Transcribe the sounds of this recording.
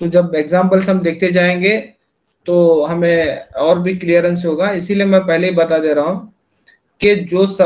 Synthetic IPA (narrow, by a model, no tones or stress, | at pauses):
t̪od͡ʒɐbeːɡzãːmpəlsɦɐmd̪eːk̚t̪ed͡ʒaːẽːŋɡe | t̪oːɦɐmẽɔːɾbʱiklijəɾə̃nsɦoːɡaɪsiliemɛ̃pɛɦleɦibɐt̪ad̪eːɾaɦũ | ked͡ʒoːsɐ